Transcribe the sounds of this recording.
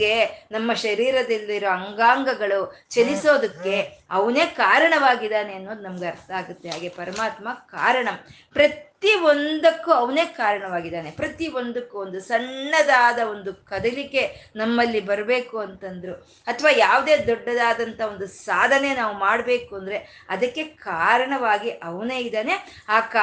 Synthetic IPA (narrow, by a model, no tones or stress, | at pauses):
ɡe̞nɐmːɐʃɐɾiːɾɐd̪ilːiɾoɐŋɡaːŋɡɐɡɐɭut͡ʃeliso̞ːd̪ɐkːe̞ɐʋɐne̞ːkaːɾɐɳɐʋaːɡid̪aːneɐnːo̞ːd̪unɐmɐɡeɐɾt̪ʰaaːɡut̪ːeɦaːɡepɐɾɐmaːt̪mɐkaːɾɐɳɐm | pɾɐt̪iond̪ɐkːuɐʋɐne̞ːkaːɾɐɳɐʋaːɡid̪aːnepɾɐt̪io̞nd̪ɐkːuond̪usɐɳːɐd̪aːd̪ɐo̞nd̪ukɐd̪ɐlike̞nɐmːɐlːibɐɾbe̞ːkuɐnt̪ɐnd̪ɐɾu | ɐt̪ʰɐʋaːjaːʋud̪e̞ːd̪ɔɖːɐd̪aːd̪ɐnt̪ʰɐo̞nd̪usaːd̪ʱɐne̞naːʋumaːɽbe̞ːkuɐnd̪ɾe̞ɐd̪ɐkːe̞kaːɾɐɳɐʋaːɡiʔɐʋɐneːid̪aːne̞ | aːkː